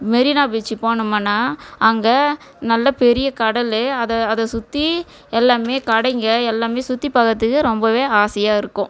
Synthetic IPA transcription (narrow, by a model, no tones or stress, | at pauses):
mɛɾɪnaːbɪt͡ʃːipoːnɯmaːnːaːʔɐŋɡɐ | nɐlːɐpɛɾɪjɐkɐɽɐlɐðɐːðɐsʊt̪ːi | ɛlːaːmeːkɐɽɐɪŋɡɐɛlːaːmeːsʊt̪ːipɐkːɐt̪ːɯkːɯɾɔmbɐʋeːaːsɪjaːɪɾɯkːʊ̃